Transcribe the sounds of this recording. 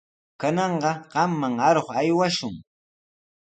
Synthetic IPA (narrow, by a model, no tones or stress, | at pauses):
kanɑɴɢɑɢɑmːaŋaɾoχajwaʃʊŋ